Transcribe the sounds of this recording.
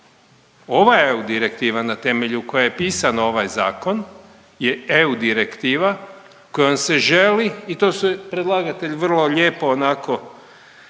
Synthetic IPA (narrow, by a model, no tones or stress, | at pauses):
o̞ʋaeud̪iɾe̞kt̪iːʋanat̪e̞me̞ʎuko̞jajepiːsano̞ʋajza̰ːko̞n | jeeud̪iɾekt̪iːʋa | kojonse̞ʒe̞liːt̪oːsupɾed̪lˠaːɡat̪e̞ʎʋr̩lˠo̞ʎeːpoːnako̞